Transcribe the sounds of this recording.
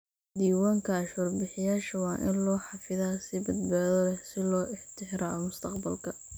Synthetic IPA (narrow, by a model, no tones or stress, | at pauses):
d̪iːwaːŋkʰɐːʃɔːrbɪħɪjaːʃɐwɑːʔɪnlɔːħɑfɪðaːsɪbɐd̪̚baːðɔlɛsɪlɔːʔɪħt̪ʰɪħɾaːɔmʊst̪ʰɐqbɐlkʰɐ